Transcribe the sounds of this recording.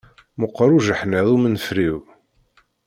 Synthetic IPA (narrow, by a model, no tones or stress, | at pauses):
məqːɾˤuʒəħneðˤumənfɾiw